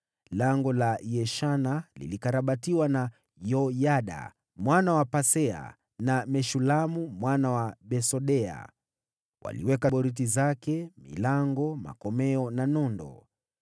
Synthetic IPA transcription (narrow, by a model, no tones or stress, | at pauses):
laŋɡɔlajɛʃanalḭlikaɾaɓatiwana | jɔjaɗa̰ | mwanawapasɛa̰ | namɛʃulamumwanawaɓɛsɔɗɛa̰ | wa̰lḭwɛkaɓɔɾit̬izakɛmḭlaŋɡɔma̰kɔmɛɔnanɔndɔ̰